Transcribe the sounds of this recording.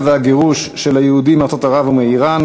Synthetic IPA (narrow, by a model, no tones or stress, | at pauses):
vaɡeʁuʃːelajeud̪imaʁt͡sot̪aʁavumeiʁan